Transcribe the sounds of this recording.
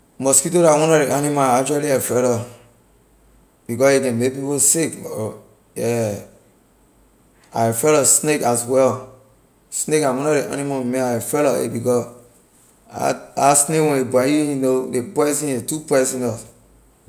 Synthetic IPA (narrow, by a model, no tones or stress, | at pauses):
mɔspitoɾawɔ̃nɔdeʔanimaakt͡ʃualiafɛlɔ | b̥ikɔsekɛ̃mepiposik | jɛ | afɛlɔsnekaswɛl | snekãwɔ̃nɔdeʔa̰nimameafɛlɔḛbikɔs | a̰asnekwɛ̃nebwajijunodepɔsĩetupɔsĩnɔs